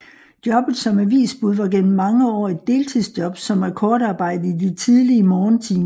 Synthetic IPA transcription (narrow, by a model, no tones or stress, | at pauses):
d̥jɒ̽b̥ð̩ˠsɒ̽mæʋḭːsb̥uðˠʋɑ̈ɡ̥en̰m̩ːɑ̈ŋəɒ̰ːe̝d̥ːe̝ːlt͡sʰiðˠsd̥jɒ̽b̥sɒ̽mæɐkʰɒːɾ̥ɑ̈ːb̥ɑ̈ɪ̰d̥ð̩ˠidit͡sʰiðˠliəmɒːnt͡sʰḭːn